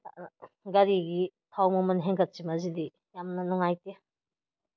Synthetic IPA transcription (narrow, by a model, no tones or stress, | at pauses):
a̰ɡaɾiɡit̪ʰawmɐmɐnɦeŋɡɐt̚t͡ʃimazid̪i | jamnɐnɔŋajt̪e